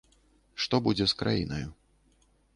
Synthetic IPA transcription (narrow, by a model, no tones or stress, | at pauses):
ʂt̪ɔbud͡zʲɛskɾa̰jḭnɐju